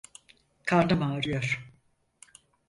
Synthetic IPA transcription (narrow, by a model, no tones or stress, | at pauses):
kʰaɾnamaːɾɯjoɾ̥